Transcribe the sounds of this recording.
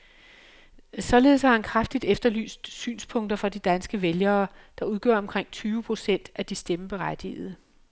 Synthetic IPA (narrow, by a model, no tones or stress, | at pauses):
sɒ̽le̝ːð̞̩ˠshɑhænkʰʁafd̥id̥efd̥ɐly̰ːsd̥sy̰ːnspʰɔ̽ŋ̰d̥ɐfʁɑ̈d̥id̥ænsɡ̥əʋeljɐːd̥ɑ̈uð̞ˠɡ̥œ̰ɐ̰ɒ̽mkʰʁeŋ̰t͡sʰyːʊəpʰʁo̝sen̰d̥æd̥isd̥eməb̥e̝ʁad̥ḭːð̞̩ˠ